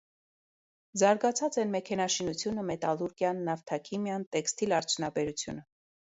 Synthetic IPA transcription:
zɑɾɡɑt͡sʰɑt͡sɛnmɛkʰɛnɑʃinut͡sʰjunəmɛt̪ɑluɾkjɑnːɑft̪ʰɑkʰimjɑnt̪ɛkst̪ilɑɾt͡sʰjunɑbɛɾut͡sʰjṵnə

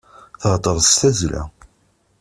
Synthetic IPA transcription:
θəʁt̪ˤəɾˤst̪æzlæ̰

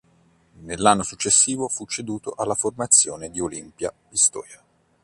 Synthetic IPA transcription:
nelːanːosut͡ʃːesːiːvofut͡ʃːed̪uːt̪oʔalːaformat̪sːjoːned̪iolimpja | ist̪ɔ̰ːɾja

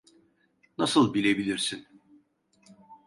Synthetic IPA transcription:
nasɯlˠbilʲe̞bilʲiɾsin

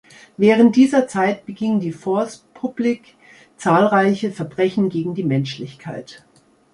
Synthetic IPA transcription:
vɛːʁ̞ənt̚d̥iːzɐt͡saɪt̚b̥əɡɪŋdiːfɔɐspʰʊblik | t͡saːlʁaɪçəfɛɐbʁɛçn̩ɡeːɡŋ̩diːmɛnʃlɪçkʰaɪt

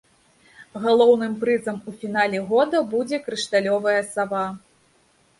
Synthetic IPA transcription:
ɣalˠɔwnɨmpɾɨzɐmufʲin̪alʲɛɣɔd̪ɐbud͡zʲɛkɾɨʂt̪alʲɔvɐjɐsava

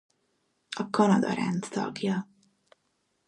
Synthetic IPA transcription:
ɒkɒnɒd̪ɒɾɛ̰nt̪t̪ɒ̰ɡjɒ

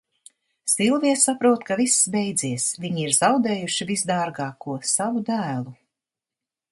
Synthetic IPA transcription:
silˠviɛsapɾuɔt̪kavisːbejd̪ziɛsviɲiiɾzawd̪eːjuʃivisd̪ɑːɾɡɑːkuɔsavud̪æːlˠu

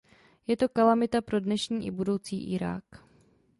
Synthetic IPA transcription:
jɛt̪o̞kalamɪt̪apɾo̞dnɛʃɲiːʔɪbudo̞wt͡siːʔɪɾa̰ːk

